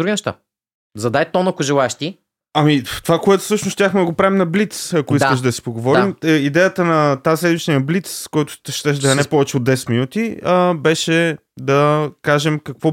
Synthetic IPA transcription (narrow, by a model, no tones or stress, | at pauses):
d̪ɾuɡinɛʃt̪a̰ | zɐd̪ajt̪ɔnɐkoʒɛlˠaɛʃt̪i | ɐmit̪ovakoɛt̪ʊ̥sɤʃnʊst̪ʲjaxmɛd̪ɐɡopɾavimnɐblit̪sɐkoiskəʃ̬d̪ɐsi̥poɡovɔɾiməid̪ɛjət̪ənɐt̪aslɛd̪viʃt̪iɐblit̪skɔjt̪ʊ̥t̪ɛʃt̪ɛʃ̬d̪ɐɐnɛpɔvɛt͡ʃɛod̪ɛsɛ̥t̪minut̪iəbɛʃɛ | d̪ɐkaʒɛmkɐkvɔ